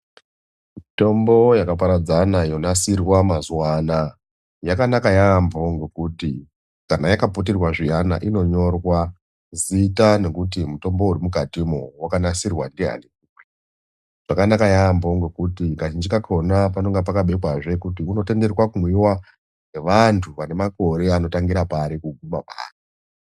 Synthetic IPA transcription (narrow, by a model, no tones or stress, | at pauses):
mito̞mbo̞jakapaɾad͡zanajo̞nasirwamazuwaːna | jakanakajambo̞ŋɡe̞kuti | kanajakapot̬irwaʐijana̰ʔino̞ɲo̞rwa | zitane̞kut̬imuto̞mbo̞urimukatimowakanasirwa̰ndiɦa̰nikikwe | ʐ̥akanakajambo̞ŋɡe̞kutikaʒind͡ʒikakʰo̞napano̞ŋɡap̬akaɓe̞kwaʐe̞kutiuno̞te̞nde̞rwakumwiwa | neʋantʰuʋane̞mako̞ɾe̞ano̞taŋɡiɾapaːɾikuɡumapa̰ːri